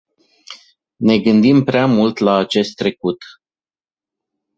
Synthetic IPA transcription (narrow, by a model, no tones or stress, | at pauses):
ne̞ɡɨnd̪impɾeamult̪laːt͡ʃe̞st̪ːɾe̞kut̪